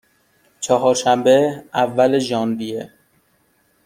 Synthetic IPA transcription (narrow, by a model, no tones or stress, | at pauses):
t͡ʃʰɒɦɒːɾʃæmbeævːæleʒɒːnbije